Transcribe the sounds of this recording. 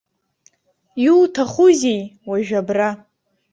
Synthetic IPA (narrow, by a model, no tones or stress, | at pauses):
jultʰaχuzʲejwaʒᶣabra